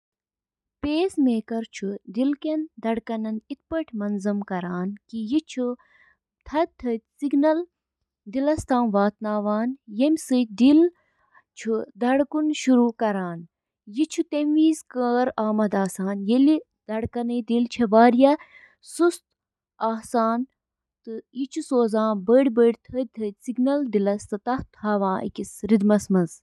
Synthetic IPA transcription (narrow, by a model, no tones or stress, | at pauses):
peːsmeːkɐɾt͡ʃʰud̪ilkɐnd̪ɐɽkɐnɐnit̪̚pɐʈʰmɐnzɐmkɐɾaːnkijit͡ʃʰu | t̪ʰɐt̪ʰːɐt̪ʲsiɡnɐl | d̪ilɐst̪ʰaːnʋaːt̪naːʋaːnjemʲsɨd̪il | t͡ʃʰud̪ɐɽkunʃuɾuːkɐɾaːn | jit͡ʃʰut̪enʋiːzkəːɾaːmɐd̪aːsaːnjeli | d̪ɐɽkɐnɨd̪ilt͡ʃʰɐʋaːɾjɐ | sust̪ | aːsaːn | t̪ɨit͡ʃʰusoːzãːnbəːɽʲbəːɽʲt̪ʰɐt̪ʰət̪ʲsiɡnɐld̪ilɐst̪ɐt̪ɐht̪haːʋãːʔḭkisɾid̪mɐsmɐnz